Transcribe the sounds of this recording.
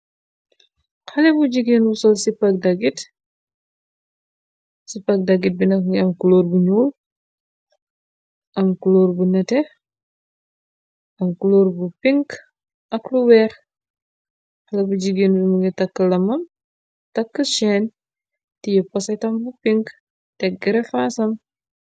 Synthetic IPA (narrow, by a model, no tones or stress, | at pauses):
xɐlɛbuɟiɡenbusɔlsipɐk̚dɐɡit | sipɐk̚dɐɡit̚binɐɐmkuloːrbuɲuːl | ɐmkuloːrbunɛtɛ | ɐmkuloːɾbupiŋk | ʔɐkluwɛːɾ | xɐlɐbuɟiɡenbimuɡitɐkːəlɐmɐm | tɐkːəʃɛn | tijəpɔsɐtɐmbupiŋk | tɛk̚ɡɛɾɛfaːsɐm